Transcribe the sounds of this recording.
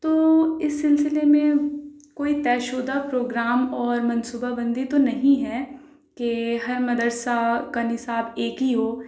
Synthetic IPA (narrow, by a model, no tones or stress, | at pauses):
t̪oːɪsːɪlsɪlemẽkoːit̪ɛːʃoːd̪apɾoːɡɾaːmɔːɾmɐnsuːbabɐ̃nd̪it̪onɐɦĩɦɛː | keɦɐɾmɐd̪əɾsakanɪsaːbeːkɦiɦoː